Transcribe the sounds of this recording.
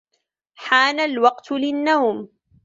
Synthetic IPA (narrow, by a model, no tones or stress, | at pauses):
ħaːnalwɑqt̪lɪnːawm